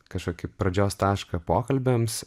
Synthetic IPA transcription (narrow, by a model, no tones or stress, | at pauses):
kɐʃkoːkʲɪpɾɐd͡ʒʲoːst̪ɑːʃkɐpoːkɐlʲbʲɛms